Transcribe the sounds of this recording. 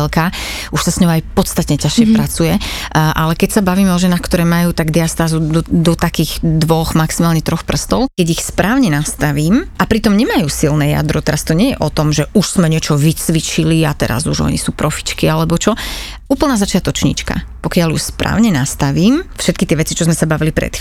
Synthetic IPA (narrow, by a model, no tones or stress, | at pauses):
lkaː | uʃsasɲɔʊajpɔt̪st̪at̪ɲɛcaʃɪɛpɾat͡sujɛ | ʔalɛkɛcsabaʋiːmɛɔʒɛnaːxkt̪ɔɾɛːmajuːt̪aɡd̪ɛast̪aːzud̪ɔd̪ɔt̪akiːɣd̪ʋɔɣmaksimaːlɲɛt̪ɾɔxpr̩st̪ɔlkɛɟixspɾʔaːʊɲɛnast̪aʋiːmʔapɾit̪ɔmɲɛmajuːsilnɛja̰d̪ɾɔt̪ɛɾast̪ɔɲɪɛjɛ̰ʔɔt̪ɔmʒɛʔuʃz̥mɛɲɪɛt͡ʃɔʋit͡sʋit͡ʃiliat̪ɛ̰ɾa̰zuʒɔ̰ɲḭsuːpɾɔfi̥t͡ʃkialɛbɔt͡ʃɔ | ʔuːpl̩naːzat͡ʃɪat̪ɔt͡ʃɲḭt͡ʃka̰pɔkɪaljuxspɾa̰ːʊɲɛnast̪aʋiːmfʃɛt̪̚kit̪ɪɛʋɛt͡sit͡ʃɔzmɛsabaʋilipɾɛ̰t̪